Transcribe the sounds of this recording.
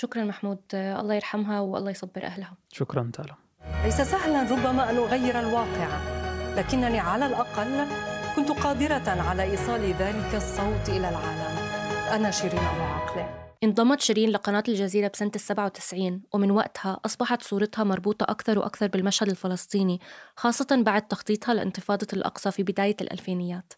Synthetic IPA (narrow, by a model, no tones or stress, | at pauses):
ʃʊkɾˤɑnmaħmuːd̪ʔɑ̰lːˤɑːjɪɾħamɦawʔɑ̰lˤːɑːjsˤɑbːɪɾʔahlhaʃʊkɾˤɑnt̪ʰa̰ːla | ʔajsasahlanɾˤʊbːamaʔanʔʊɣajːɪɾalwɑːqɪʕalaːkɪnːaniʕalalʔɑqɑlːkʊnt̪qɑːd̪ɪɾaʕalaʔiːsˤɑːliðaːlɪkasˤːɑwt̪ˤʔɪlalʕaːlamʔanaʃɪɾiːnʕalalʕɑqlɪʔɪnd̪ˤɑmːɑt̪ʃɪɾiːnlɪqɑnaːt̪ɪlʒaziːɾabsant̪ɪsːabʕawt̪ɪ̥sʕiːnwɪmɪnwa̰ʔt̪haʔɑsˤbɑħɑt̪sˤuːɾɑt̪hɑmɑɾˤbuːt̪ˤɑʔakθɑɾˤwʔa̰kθɑɾˤbɪlmaʃhad̪ɪlfɪlɑsˤt̪ˤiːnixɑːsˤːɑt̪ɑnbaʕd̪̚t̪ɑxt̪ˤiːt̪ˤhɑlɪ̰ʔɪ̰nt̪ɨfɑːd̪ˤɑlʔɑ̰qsˤɑfibɪd̪aːjalʔa̰lfeːnɪjːaːt̪